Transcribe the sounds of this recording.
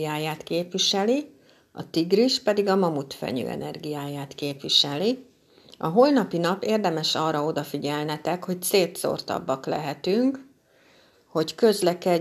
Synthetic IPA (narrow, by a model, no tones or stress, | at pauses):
aːjaːt̪keːpʋiʃɛli | ɒ̰t̪iɡriʃpɛd̪iɡɒmɒmut̪fɛ̰ɲø̰ːʔɛ̰nɛ̰rɡijaːjaːt̪keːpʋiʃɛli | ɒɦo̞lnɒpinɒpeːrd̪ɛmɛʃɒːrɒo̞d̪ɒfiɟɛlnɛt̪ɛkho̞cseːt̪so̞̰rt̪ɒ̰bːɒklɛ̰ɦɛt̪yŋk | ho̞ckø̞zlɛkɛ